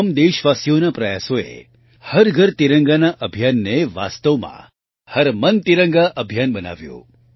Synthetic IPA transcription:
md̪eʃʋasijonapɾəjasoḛ | həɾɡʱəɾt̪iɾəŋɡanaʔəbʱjanːeʋa̰st̪əʋmã̰ | həɾmənt̪iɾə̃ŋɡaʔəbʱijanbəna̰ʋjṵ̃

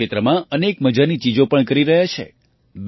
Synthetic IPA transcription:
et̪ɾəmãənekməd͡ʒanit͡ʃid͡ʒopəɳkəɾiɾəɦjat͡ʃʰḛ | b

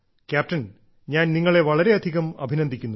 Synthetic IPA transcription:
kʲaːp̚tɐn | ɲaːnniŋːɐɭe̞ʋɐɭɐɾe̞ɐd̪ʱiɣɐmɐ̰bʱinɐnd̪ʱikʲːunːu

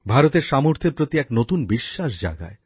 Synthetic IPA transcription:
bʱaɾot̪eɾʃamoɾt̪ʰeɾpɾot̪iɛknot̪unbiʃːaʃ̬d͡ʑa̰ɡa̰e

